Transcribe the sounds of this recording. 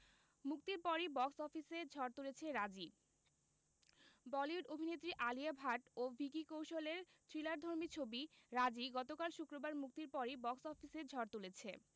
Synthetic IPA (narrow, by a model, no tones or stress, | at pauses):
muk̚t̪iɾpɔɾibɔksɔfised͡ʑʱɔɾt̪ulet͡ɕʰeɾad͡ʑi | bɔliuɖobʱinet̪ːɾiʔaliabʱaʈobʱikikowʃoleɾt̪ɾilaɾd̪ʱoɾmit͡ɕʰobiɾad͡ʑiɡɔt̪okalʃukɾobaɾmuk̚t̪iɾpɔɾibɔksɔfised͡ʑʱɔɾt̪ulet͡ɕʰe